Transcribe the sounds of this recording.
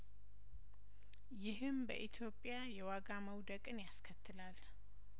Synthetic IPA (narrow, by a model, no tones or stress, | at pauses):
jɪɦɨmbə̰ʔit̪ʰjo̞pʼːɪjajɛwaɡaməwd̪əkʼɨnjaskʰət̪ʰːɨlal